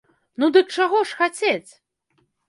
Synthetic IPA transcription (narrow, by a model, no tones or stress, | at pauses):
nud̪ɨk̚t͡ʂaɣɔʂxat͡sʲet͡sʲ